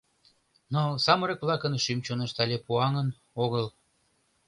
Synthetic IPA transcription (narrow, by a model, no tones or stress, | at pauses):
nosɑməɾɤkβlɑkənʃymt͡ɕonəʃt̪ɑlʲepuɑŋən | oɣəl